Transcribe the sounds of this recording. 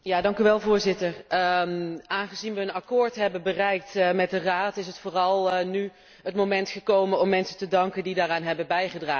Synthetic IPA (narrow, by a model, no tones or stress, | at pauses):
jaːdɑŋkyʋɛlˠvʊːɹzɪtər | aːnχəzinʋəənɑkʊːɹtɦɛbənbərɛjk̚tmɛt̚dəraːtɪs̬ɦətfʊːrɑlˠny | ɦətmomɛntχəkowmənɔmːɛnsəntədɑŋkəndidaːraːnɦɛbənbɛjχədraː